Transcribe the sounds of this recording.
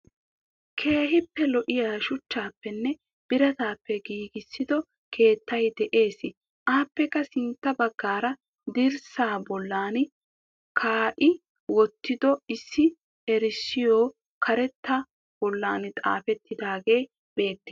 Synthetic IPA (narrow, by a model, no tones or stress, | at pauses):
kʰe̞ːɦɪpːɛlɔʔɪjaːʃʊt͡ʃːaːpːɛnːɛ | b̥ɪɾɐt̪aːpːɛɡiːɡɪsːɪd̪ɔ | kʰe̞ːt̪ːɐjd̪ɛʔe̞ːsɪ | ʔaːpːɛkːɐsɪnt̪ːɐbɐɡːaːɾɐ | d̪ɪɾsaːbɔlːaːn | kʰaːʔɪ | wɔt̪ːɪd̪ɔɪsːɪ | ɛɾɪsːɪjoː | kʰɐɾɛt̪ːa | b̥ɔlːaːnɪt̪ʼa̰ːfɛt̪ːɪd̪aːɡe̞ː | b̥e̞ːt̪ːe̥